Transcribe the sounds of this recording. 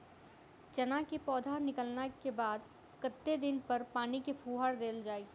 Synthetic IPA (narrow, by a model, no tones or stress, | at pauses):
t͡ʃɐnakepɔːd̪ʱaɾnɪkəlnakebaːd̪ | kət̪ːed̪ɪnpɐɾpaːnikepʰuːɦaɽd̪eːld͡ʒaːeɡ